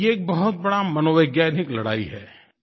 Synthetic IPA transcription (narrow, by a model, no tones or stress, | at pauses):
eːk̚bɐɦʊt̪̚bɐɽamɐnoːʋeɡjajnɪklɐɽa̰ːiɦɛː